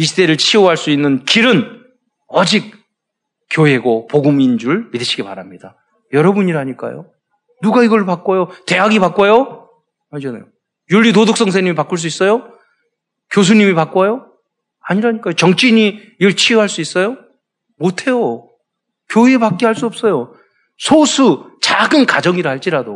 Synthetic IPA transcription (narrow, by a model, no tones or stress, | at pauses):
iɕʰide̞ɾɯɭt͡ɕʰioɦaɭs͈uinːɯnkiɾɯn | ʌd͡ʑik̚ | k͈joe̞ɡopoɡumind͡ʑuɭmidɯɕʰi̥ɡipaɾamɲid̥a | jʌɾʌbuɲiɾɦaɲik͈a̰jo̰ | nuɡaiɡʌɭpak͈ojote̞ɦaɡipak͈ojo | maɭd͡ʑʌna̰jo | juɭːitodok̚s͈ʌŋs̬ʰeɲimipak͈uɭs̬͈uis͈ʌjo | kjos̬ʰuɲimipak͈ojo | aɲiɾaɲik͈ajot͡ɕʌŋt͡ɕ͈ʰiɲi | ɯɭt͡ɕʰioɦaɭs͈uis͈ʌjo | motʰe̞jo | kjoiepak͈̚eɦaɭs͈uʌp̚s͈ʌjo | sʰosʰut͡ɕaɡɯnkad͡ʑʌŋiɾɯɦaɭt͡ɕ͈iɾado